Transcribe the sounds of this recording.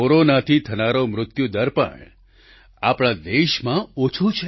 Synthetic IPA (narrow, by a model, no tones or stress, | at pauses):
oɾonat̪ʰit̪ʰənaɾomɾʊt̪jud̪əɾpə̰ɳ | apɽ̃ad̪eʃmãot͡ʃʰut͡ʃʰe